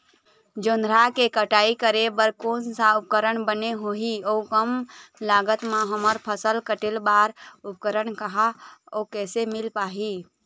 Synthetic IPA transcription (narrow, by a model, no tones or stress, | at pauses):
d͡ʒonɾakekəʈaikəɾebəɾkonsaup̚kəɾəɳbəneɦoɦiɔukəmlaɡət̪maɦəməɾpʰəsəlkəʈelbaɾup̚kəɾəɳkəɦaɔkɛsemilpaɦi